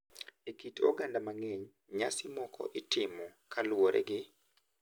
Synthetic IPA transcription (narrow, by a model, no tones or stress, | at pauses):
ekito̰ɡandamaŋɛɲ | ɲasɪmɔkʰɔ̰ʔɪtɪmɔkalwoɾɛ̰ɡɪ